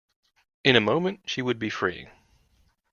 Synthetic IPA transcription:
ɨ̃ñɨmõʊ̃mɨ̃ntʃiwɨd̚bifɹḭ

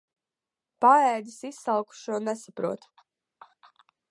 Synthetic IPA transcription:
paɛːd̪isisːalˠku̥ʃuɔnɛsapɾuɔt̪

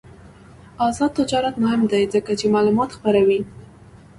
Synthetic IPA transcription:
ɑzɑd̪̚t̪ːɪd͡ʒɑɾat̪mʊhɪmd̪ajzəkat͡ʃemɑlumɑt̪xpəɾawi

